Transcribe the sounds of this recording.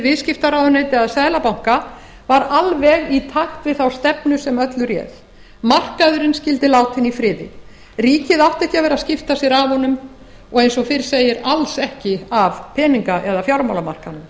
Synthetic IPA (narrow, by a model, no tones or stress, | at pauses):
vɪðscɪft̪aɾawðʏnet̪ɪaðsaːðlapawŋ̥ka | vaɾalvɛɣit̪ʰaxt̪vɪðθawst̪ɛpnʏsɛmœt̪lʏɾjɛ̰θ | mar̥kaðʏɾɪnscɪlt̪ɪlawt̪hɪnːifɾɪːðɪ̰ | riːcɪðawht̪ɛhcɪavɛɾascɪft̪asjɛɾavɔnʏm | ɔɣejnsɔɣfɪɾ̥seːjɪɾalsɛhcɪavpʰɛːniŋkaʔɛðafjawɾmawlama̰r̥kanʏm